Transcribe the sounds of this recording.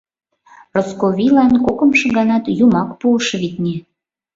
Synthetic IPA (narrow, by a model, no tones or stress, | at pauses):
roskoβʲilɑnkokɤ̆mʃɤ̆ɣɑnɑt̪jumɑkpuʃβit̪̚nʲe